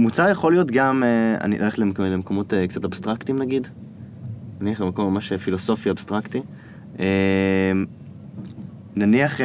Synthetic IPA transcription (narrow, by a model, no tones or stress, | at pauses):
mut͡saʁjaχo̞lijo̞tɡamea̰nḭʔa̰lee̥tlemlemekomotekt͡satabst̪ʁaktimnaɡid | naniaχbemakomemaʃefilo̞so̞fiabst̪ʁakti | em | naniaχ